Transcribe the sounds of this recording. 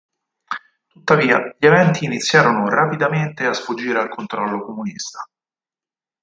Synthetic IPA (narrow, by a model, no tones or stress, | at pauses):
t̪ut̪ːaviːa̰ʎievɛnt̪iːnit̪sːjaːɾonorapid̪ament̪easfud͡ʒːiːɾealkont̪ɾɔlːokomunḭst̪ḁ